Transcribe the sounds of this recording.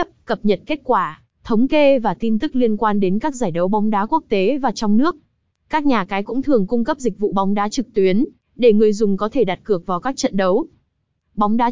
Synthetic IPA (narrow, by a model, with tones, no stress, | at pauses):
p̚kə˨˩p̚ɲə˨˩t̚ke˦˥t̚kwaː˧˩ | t̪ʰə˨˦wŋ͡mke˧vaː˨˩t̪i˧nt̪ɨ˦˥k̚li˧ənkwaː˧nɗe˨˦nkaː˦˥k̚zaː˧˩jɗə˨˦wɓɔ˨˦wŋ͡mɗaː˨˦ku˦˥ək̚t̪e˨˦vaː˨˩t͡ɕwŋ͡mnɨ˦˥ək̚ | kaː˦˥k̚ɲaː˨˩kaː˨˦jkʊ̰˧˥ŋ͡mt̪ʰɨ˨˩əŋkʊ˧ŋ͡mkə˦˥p̚zï˨˩k̚vṵ˧˨ɓɔ˨˦wŋ͡mɗaː˨˦t͡ɕɨ˨˩k̚t̪wi˨˦ən | ɗe˧˩ŋɨ˨˩əjzʊ˨˩ŋ͡mkɔ˨˦t̪ʰe˧˩ɗa˨˩t̚kɨ˨˩ək̚vaː˨˩wkaː˦˥k̚t͡ɕə̰˧˨nɗə˨˦w | ɓɔ˨˦wŋ͡mɗaː˨˦